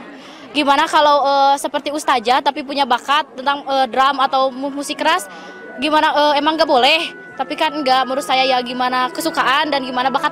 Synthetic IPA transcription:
ɡimanakalawəsəpərt̪iust̪ad͡ʒat̪apipuɲabakat̪ːənt̪aŋəːdɾamat̪awmumusɪkəɾas | ɡimanaʔəːemaŋːɡaʔbolɛh | t̪apikanŋɡaʔməɾusajajaɡimanakəsukaʔandanɡimanabakat̪̚

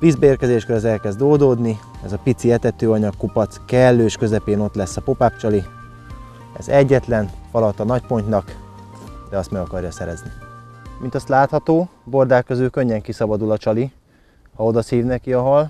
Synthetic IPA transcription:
viːzbɛeːrkɛzeːʃkøɾɛzɛlkɛzd̪oːld̪oːd̪niɛzɒpit̪siɛt̪ɛt̪øːɒɲɒkːupɒt̪skɛlːøːʃkø̞zɛpeːno̞t̪lɛsːɒpo̞paːp̚t͡ʃɒli | ɛ̰zɛɟːɛt̪lɛnfɒlɒt̪ːɒnɒc̚po̞ɲt̪nɒk | d̪ɛɒst̪mɛɡɒkɒrjɒsɛɾɛznimint̪ɒst̪laːt̪hɒt̪oːbo̞rd̪aːkːøzøːkøɲːɛŋkisɒbɒd̪ulɒt͡ʃɒli | hɒo̞d̪ɒsiːvnɛkiɒɦɒl

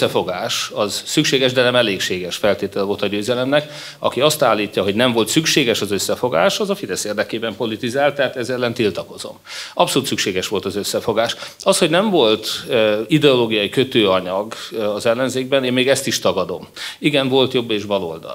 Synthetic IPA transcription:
ɛfo̞ɡaːʃɒzsykʃeːɡɛʒd̪ɛnɛmɛleːkʃeːɡɛʃfɛlt̪eːt̪ɛlɛvolt̪ɒɟøːzɛlɛmnɛk | ɒ̰kiɒst̪aːlːiːcːɒɦo̞ɟnɛɱvo̞lt̪sykʃeːɡɛʃɒzøsːɛfo̞ɡa̰ːʃɒzɒfid̪ɛseːrd̪ɛkeːbɛmpo̞lit̪izaːlt̪ɛaːt̪ɛzɛlːɛnt̪ilt̪ɒko̞zo̞̰mɒpso̞luːt̪sykʃeːɡɛʃʋo̞lt̪ɒzø̞sːɛfo̞ɡaːʃɒshoɟnɛɱvo̞lt̪id̪ɛoloːɡijɒjikø̞t̪øːɒɲɒɡɒzɛlːɛnzeːɡbɛneːmmeːɡɛst̪iʃt̪ɒɡɒd̪o̞m | iɡɛnvo̞lt̪jo̞bːeːʒbɒlo̰ld̪ɒ̰l

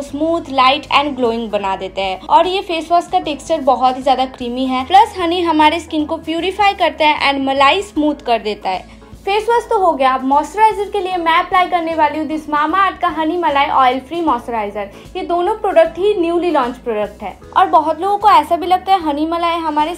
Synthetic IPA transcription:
smuːt̪ʰlaːɪʈɛ̰̃ːɳɖɡloːɪ̃ŋɡbɐnad̪eːt̪eɦɛ̃ːɔːɾjefeːsʋəskaʈeːkst͡ʃəɾbɔɦɔt̪ɦizjaːd̪akɾiːmiɦɛːplɐsɦɐniɦɐmaːɾeskɪnkopjuːɾɪfaːjkɐɾt̪eɦɛ̃ʔɛ̰̃ːɳɖmɐlaːismuːd̪ʱkɐɾd̪eːt̪aɦɛ̰ː | feːswəst̪oɦoɡɐjaːpmɔːsʈəɾaːɪzəɾkeliemɛ̃ɐplaːikɐɾneʋaːliũd̪ɪsmaːmaːɾʈ̪kaɦɐnimɐlaːeʔɔːɪlfɾiːmɔːsʈəɾaːɪzəɾ | jed̪oːnõpɾoːɖək̚ʈɦinjuːlilɔ̃ːɲt͡ʃpɾoːɖək̚ʈɦɛ̰ː | ɔːɾbɐɦʊt̪loːɡõkoɛːsabʱilɐɡ̚t̪aɦɛɦɐnimɐlaːeɦɐmaːɾe

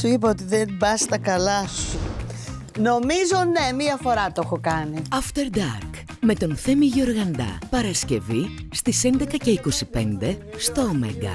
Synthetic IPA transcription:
suip̬ɐot̪iðenbɐst̪ɐkɐlɐsu | no̞mizo̞ne̞miɐfo̞ɾɐt̪oexokɐniɐft̪e̞ɾd̪ɐɾk | me̞t̪o̞nθe̞miʝoɾɣɐnd̪ɐ̰pɐɾɐsce̞vist̪ise̞nd̪e̞kɐce̞iko̞sipe̞nd̪e̞st̪o̞ːmḛŋɡɐ̰

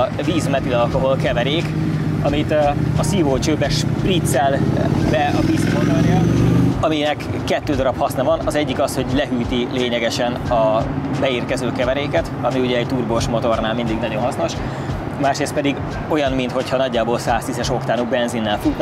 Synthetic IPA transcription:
viːzmɛt̪ilɒlko̞ɦo̞lkɛvɛɾeːk | ɒmit̪ɒsiːvoːt͡ʃøːbɛʃprit̪sɛlbɛɒbisot̪ɔrjɒɒminɛkːɛt̪ːøːd̪ɒɾɒphɒsnɒvɒnɒzɛɟːikɒsho̞ɟlɛɦyːt̪ileːɲɛɡɛʃɛnɒbɛiːrkɛzøːkɛvɛɾeːkɛt̪ɒmiuɟɛːct̪uːrboːʃmo̞t̪o̞rnaːlmind̪iɡnɒɟo̞nɦɒsno̞ʃ | maːʃreːst̪̚pɛd̪iɡ | o̞jɒnmint̪ho̞chɒnɒɟːaːboːlsaːst̪izɛʃo̞kt̪aːnubɛnzinːɛlfut̪ː

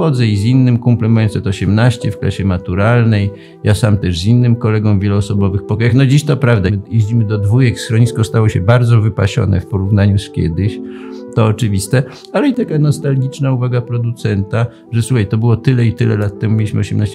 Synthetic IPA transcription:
ɔd̪zɛizinːɘmkumplɛmɛnsɛt̪ɔɕɛmnaɕt͡ɕɛfkla̰ɕɛmat̪uɾalnɛj | jasamt̪ɛʂzinːɘmkɔlɛɡɔ̃w̃vʲjɛluːsɔbɔvɘxpɔkɔjaxnɔd͡ʑiɕt̪ɔpɾavd̪ajeʑd͡ʑimɘd̪ɔd̪vujɛksxɾɔɲiskɔst̪awɔɕɛbaɾd̪zɔvɘpaɕɔ̰nɛ̰fpɔɾuvnaɲuskʲjɛ̰d̪ɘɕt̪ɔːt͡ʂɘvʲist̪ɛ | alɛit̪akanɔst̪alɡʲit͡ʂnauvaɡapɾɔd̪ut̪sɛnt̪a | ʐɛsuxajt̪ɔbɘwɔt̪ɘlɛit̪ɘlɛ̰lat̪ːɛmumʲjelʲiɕmɘɔɕɛmnaɕt͡ɕ

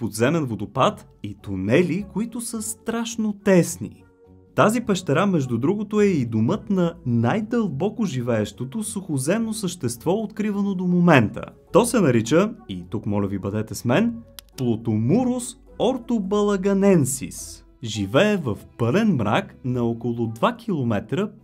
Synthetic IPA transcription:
pod̪zɛmɛnvod̪opat̪ | it̪onɛlikoit̪ʊsəst̪ɾaʃnot̪ɛsnḭ | t̪azipɛʃt̪ɛɾamɛʒd̪ud̪ɾuɡot̪oɛid̪omɤt̪nɐnajd̪əlˠbɔkoʒivɛɛʃt̪ot̪osʊxozɛmnosəʃt̪ɛst̪vɔot̪kɾivɐnod̪omomɛnt̪ə̰t̪ɔsɛnɐɾit͡ʃəit̪ukmɔlʲəvibəd̪ɛt̪ɛsmɛnplˠot̪omuɾʊs | ɔɾt̪obɐlˠɐɡɐnɛnsḭs | ʒivɛɛvəfpɤlɛnmɾa̰knɐokolˠʊd̪vak̟ʲʰilˠomɛt̪ɾə

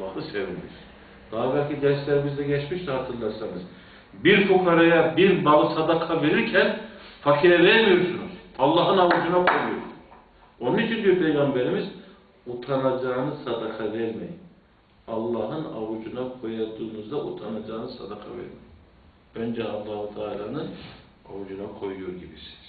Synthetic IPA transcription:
ɑɯsevilḭɾ | d̪̥aːbælʲcʰid̪ɛɾslʲæɾimizd̪ɛɟɛt͡ʃmiʃd̪ɛhat̪ʰɯɾlˠaɾsanɯz | biɾt͡ʃʰukʰaɾajabiɾbalˠɯsad̪akʰaveɾiɾcʰɛnfakʰiɾɛvɛmijoɾsunuz̥ɑlˠːɑːɦɯnawud͡ʒunakʰo̞jujo̰ɾuz | o̞nunit͡ʃʰind̪yjopʰejɡɑmbɛɾimiz | ut̪ʰanad͡ʒaːnɯsad̪akʰad̪ɛlʲmejin | ɑlˠːɑːɦɯnawud͡ʒunakʰo̞jad̪uːnuzd̪aʔut̪ʰanad͡ʒaːnɯsa̰d̪akʰa̰vḛɾi | ønd͡ʒɛɑlˠːaːhut̪ʰaːlʲaːnɯn | awud͡ʒunakʰo̞jujoɾɟibisi̥z̥

